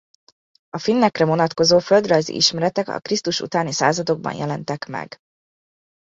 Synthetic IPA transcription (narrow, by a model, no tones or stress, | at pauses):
ɒfinːɛkrɛvo̞nɒt̪ko̞zoːføld̪rɒjzḭʔiʃmɛɾɛt̪ɛkɒ̰krist̪uʃṵt̪aːnisa̰ːzɒd̪o̞ɡ̚bɒ̰njʔɛlɛnt̪ɛkmɛ̰ɡ̥